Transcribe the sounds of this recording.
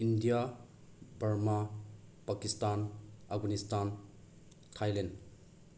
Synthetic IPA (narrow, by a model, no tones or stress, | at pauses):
indija | baɾmapakistanafɡanistan | tʰajlen